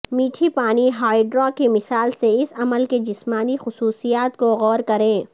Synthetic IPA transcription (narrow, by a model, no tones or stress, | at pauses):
miːʈʰipaːniɦaːiɖɾɔːkemɪsaːlseɪsɐməlked͡ʒɪsmaːnixʊsuːsijaːt̪koɣɔːɾkɐɾẽː